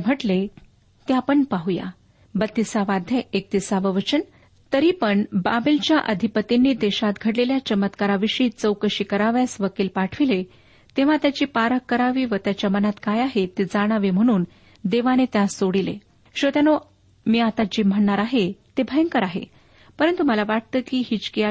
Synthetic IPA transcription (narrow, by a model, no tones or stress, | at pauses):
m̤ʱəʈle | t̪japəɳpaɦuja̰ | bət̪ːisaʋad̪ʱjeek̚t̪isaʋəʋət͡ɕən | t̪əɾiːpəɳbabəlt͡ɕjaʔəd̪ʱipət̪inːiːd̪eɕat̪ɡʱəɽleljat͡ɕəmət̪kaɾaʋiɕiːt͡səwkəɕiːkəɾaʋjasʋəkiːlpaʈʰʋile | t̪eʋ̤ãt̪jat͡ɕiːpaɾəkːəɾaʋiːʋət̪jat͡ɕjamənat̪kajaɦet̪ed͡zaɽ̃aʋem̤əɽ̃uːn | d̪eʋanet̪jasoɽilḛ | ɕət̪jano | miːat̪at͡ɕiːm̤əɳːaɾaɦet̪ebʱəjəŋkəɾaɦḛ | pəɾənt̪uməlaʋaʈ̚t̪əːkiːɦiːt͡ɕkia